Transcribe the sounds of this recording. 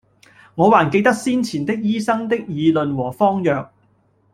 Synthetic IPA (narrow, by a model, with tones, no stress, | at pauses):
ŋɔː˨˧waː˨˩nke˧jt̪ɐ˥k̚siː˥nt͡sʰiː˨˩nt̪ɪ˥k̚jiː˥sɐ˥ŋt̪ɪ˥k̚jiː˨˧lɵ˨˧nwɔː˨˩fɔː˥ŋjœː˨k̚